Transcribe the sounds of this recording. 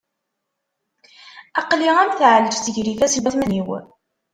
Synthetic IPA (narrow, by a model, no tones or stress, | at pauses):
ɑqliʁæmθʕləd͡ʒθəʝɾifæsəlmæθmæniw